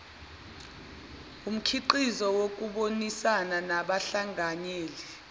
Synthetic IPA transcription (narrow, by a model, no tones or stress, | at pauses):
um̩kʰiǃizɔwok̬uɓonisananaɓaɬaŋaɲeːli